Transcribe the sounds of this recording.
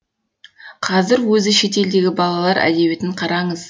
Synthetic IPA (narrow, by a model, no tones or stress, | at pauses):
qʰɑzɪɾwɵzɪʃe̞t̪e̞ld̪e̞ɡʲɪbɑlˠɑlˠɑɾʔæ̰d̪e̞be̞t̪ɪɴqʰɑɾɑɴəz̥